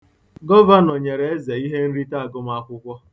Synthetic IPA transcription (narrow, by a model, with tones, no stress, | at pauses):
ɡɔ˦va˦nɔ˨ɲe˨ɾe˨e˦ze˨i˦ɦe˦n̩˦ɾi˦ta˦a˨ɡʊ˦m˦a˦kʷʊ˦kʷɔ˦